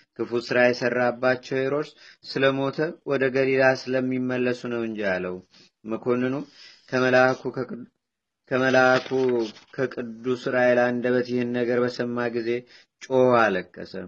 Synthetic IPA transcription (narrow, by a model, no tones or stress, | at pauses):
kʰɨfusɨɾajɛsərːabːat͡ʃːɛweɾo̞ɾssɨləmo̞t̪ʰəwɔd̪əɡəlilasɨləmːimːəlːəsunəwɨɲd͡ʒaləwu | məkʰo̞nːɨnukʰəlakʰu | kʰəməlakʰukʰəkʼɨd̪ːusɨɾajelaɨnd̪əβət̪jɪhɨnːəɡəɾbəsəmːaɡize̞ | t͡ʃʼo̞haləkʼːə̰sə̰